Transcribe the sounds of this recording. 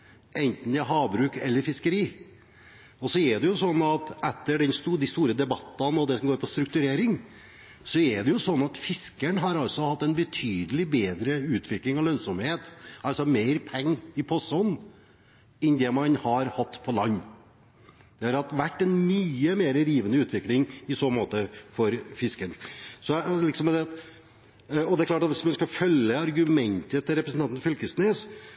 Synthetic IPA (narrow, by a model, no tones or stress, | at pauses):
ʔɛnt̪n̩ɛɦɑːbɾʉːkɛ̰lːəɾfɪskəɾiː | ɔsɔɛɖɛjʊsɔnːɑt̪ɛt̪ːəɖɛnst̪uːd̪ist̪uːɾəd̪ɛbɑt̪ːɑnɔd̪ɛsɔmɡoːɾpʰɔst̪ɾʉk̚t̪ʉɾeːɾɪŋ | sɔɛɖɛjʊsɔnːɑt̪fɪskəɳɦɑɾɑlsɔhɑt̪ːɛnbət̪ʰyːd̪əlɪbeːd̪ɾəʉːt̪ʰʋɪklɪŋɑlœnsɔmheːt̪ɑlsɔmeɪɾpʰɛŋːɪpʰɔsɔnː | ɛnd̪ɛmɑnhɑɾhɑt̪ːpʰɔlɑnː | d̪̥ɛøɾɑt̪ʋæʈːɛnmyːəmeːɾəɾiːʋənəʉːt̪ʰʋɪklɪŋɪsoːmoːt̪əfɔɾfɪskəɳsɔlɪksɔmd̪ɛɑt̪ | ɔd̪ɛæklɑːʈɑt̪ʋɪsmɛnskɑfœlːəɑɾɡʉmɛnt̪ət̪ʰɪɾɛpɾəsn̩ɑnn̩fʏlkəsneːs